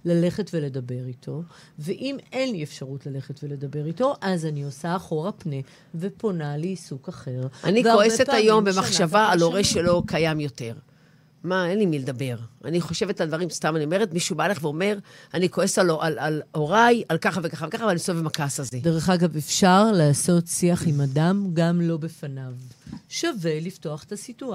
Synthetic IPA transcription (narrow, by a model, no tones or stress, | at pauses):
lale̞χetveled̪ɐbe̞ʁitʰo̞ | veʔimenliefʃaʁutlale̞χetvele̞d̪ɐbe̞ʁito̞ʔazaniosaːχo̞ʁapne | ve̞ponaliːsukaχe̞ʁʔanikoesetajo̞mbemaχʃavaːlo̞ʁeʃelo̞kʰajamjo̞te̞ʁ | maenlimiled̪abe̞ʁaniχo̞ʃe̞vetlad̪vaʁimst̪amanio̞me̞ʁetmiʃubaleχveo̞me̞ʁanikoesaloʔalaloʁajalkaχavekaχavekaχavalanisoevemakasazedeʁeχaɡavefʃaʁlaːso̞tsiaχimad̪amɡamlo̞befanavʃave̞liftoaχe̥tasitua